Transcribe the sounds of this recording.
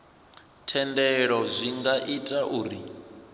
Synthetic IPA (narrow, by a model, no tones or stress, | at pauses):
tʰɛndɛɺɔzʷiŋɡaʔitʼaʔuːɾi